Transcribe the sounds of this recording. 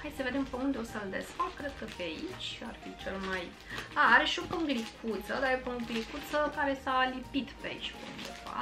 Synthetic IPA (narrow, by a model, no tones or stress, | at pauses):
hajsəve̞d̪empeund̪eosəld̪esfakkɾed̪̚kəpeait͡ʃʲarfit͡ʃelmaj | aaɾeʃiopəŋɡlikʰut̪səd̪aepəŋɡlikut̪səkaɾe̞salipit̪pea̰it͡ʃʲpeṵnd̪e̞̰va̰